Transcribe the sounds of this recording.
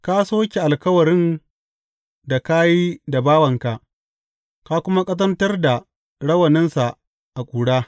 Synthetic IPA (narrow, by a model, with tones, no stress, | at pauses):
ka˦soː˦kʲe˨ʔa˨lkɐ˦wɐ˨ɾɪ˦n | da˨ka˦ji˦da˨baː˦wɐ˨ŋka˨ʔ | ka˦kʷʊ˦ma˦kʼɐ˦s̬ɐ˦ntɐ˦rda˨ | ɽɐ˦wɐ˨nɪ˦nsa˨ | ʔa˨kʷʼuː˨ɽaː˦